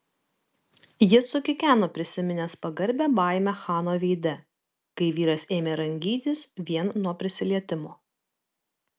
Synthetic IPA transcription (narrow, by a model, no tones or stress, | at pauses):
jɪsʊkʲɪkʲæːnoːpʲɾʲɪsʲɪmʲɪnʲeːspɐɡɐɾʲbʲɛːbɑˑɪmʲɛxɑːnoːʋʲɛɪd̪ʲɛ | kɐɪʋʲiːɾɐseːmʲeːɾɐŋʲɡʲiːt̪ʲɪsʋʲiɛnnuɔpʲɾʲɪsʲɪlʲiɛt̪ʲɪmoː